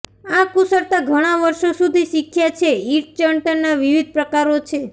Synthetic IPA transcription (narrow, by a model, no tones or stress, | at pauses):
akusəɾt̪aɡʱəɽ̃aʋəɾʃosud̪ʱiʃikʰjat͡ʃʰeiɾʈ̚t͡ʃəɳʈəɾnaʋiʋid̪̚ʱpɾəkaɾot͡ʃʰe